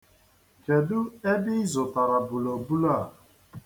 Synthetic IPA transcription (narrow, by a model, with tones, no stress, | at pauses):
ke˨dʊ˦e˦bɪ˦i˦zʊ˨ta˨ɾa˨bu˨lo˨bu˦la˦˨